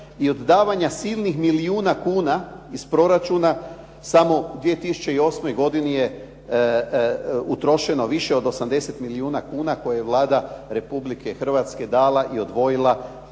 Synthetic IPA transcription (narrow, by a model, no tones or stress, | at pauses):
io̞d̪ːaːʋaɲasilˠnixmiliuːnakuːnaispɾo̞ɾat͡ʃuna | samo̞d̪ʋie̞t̪isu̥t͡ʃe̞io̞smo̞jɡo̞d̪inije | ut̪ɾo̞ʃe̞no̞ʋiʃe̞o̞d̪o̞samd̪e̞se̞t̪miliuːnakuːnako̞jajeʋlˠaːd̪aɾe̞publike̞xr̩ʋat̪ske̞d̪aːlaʔio̞d̪ʋo̞jilˠa